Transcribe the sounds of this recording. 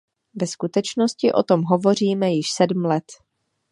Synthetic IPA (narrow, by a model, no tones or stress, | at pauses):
vɛskut̪ɛt͡ʃno̞scɪʔo̞t̪o̞mɦo̞vo̞r̝iːmɛjɪʃsɛdm̩lɛt̪